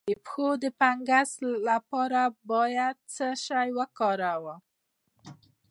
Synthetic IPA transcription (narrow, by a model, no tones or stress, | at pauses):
əpxod̪əpaŋɡaslapɑɾabɑjad̪̚t͡səʃajwəkɑɾawə